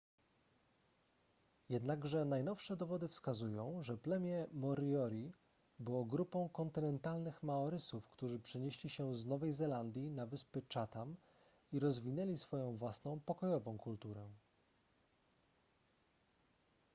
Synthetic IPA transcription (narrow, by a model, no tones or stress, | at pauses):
jɛd̪naɡʐɛnajnɔfʂɛd̪ɔvɔd̪ɘfskazujɔ̃w̃ʐɛplɛmʲjɛmɔɾɔɾʲi | bɘwɔɡɾupɔ̃w̃kɔnt̪ɘnɛnt̪alnɘxmaɔɾɘsufkt̪uʐɘpʂɛɲeɕlʲiɕɛznɔvɛjzɛland̪ʲjinavɘspɘt͡ʂat̪am | iɾɔzvʲinɛlʲisfɔjɔ̃w̃vwasnɔ̃w̃pɔkɔjɔvɔ̃w̃kult̪uɾɛ